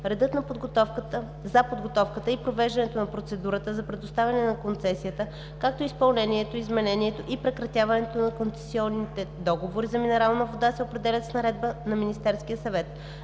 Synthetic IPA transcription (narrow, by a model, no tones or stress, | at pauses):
ɾɛd̪ɤt̪nɐpod̪ɡot̪ɔkt̪ə | zɐpod̪ɡot̪ɔfkət̪əipɾovɛʒd̪ɐnɛt̪onɐpɾot̪sɛd̪uɾət̪əzɐpɾɛd̪ost̪avʲɐnɛnɐkont̪sɛsijət̪ə | kak̚t̪oispɐlˠnɛniɛt̪oizmɛnɛniɛt̪oʔipɾɛkɾɐt̪ʲjavɐnɛt̪onɐkont̪sɛ̥siɔnːit̪ɛd̪ɔɡovoɾizɐminɛɾalˠnəvod̪asɛopɾɛd̪ɛlʲət̪snɐɾɛd̪̚bənɐminist̪ɛɾskijəsɐvɛt̪